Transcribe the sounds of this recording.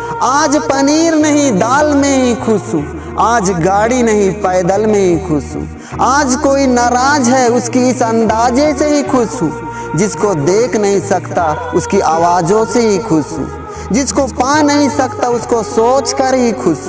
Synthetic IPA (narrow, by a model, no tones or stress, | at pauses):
aːd͡ʒpəniːɾnəɦĩd̪aːlmẽɦĩkʰʊsɦũː | aːd͡ʒɡaːɽinɐɦĩpəːd̪əlmẽɦĩkʰʊsṵ̃ː | aːd͡ʒkoːinəɾaːd͡ʒɦɛʊskiɪsɐ̃nd̪aːd͡ʒeseɦikʰʊsɦũː | d͡ʒɪskod̪eːkʰnəɦĩsɐkt̪a | ʊskiʔaːʋaːd͡ʒõseɦikʰʊsɦṵ̃ː | d͡ʒɪskopãːnɐɦĩsɐkt̪aʊskosoːt͡ʃkəɾɦikʰʊs